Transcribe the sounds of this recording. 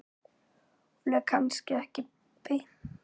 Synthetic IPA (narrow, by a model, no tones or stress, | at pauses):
lɛkʰanscɪɛhcɪ | pɪ